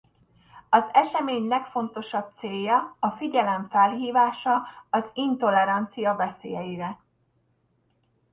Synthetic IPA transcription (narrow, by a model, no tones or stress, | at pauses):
ɒzɛʃɛmeːɲlɛkfo̞nt̪o̞ʃɒp̚t̪seːjːɒɒfiɟɛlɛɱfɛlɦiːvaːʃɒɒzint̪o̞lɛɾɒnt̪sijɒvɛseːjɛjiɾɛ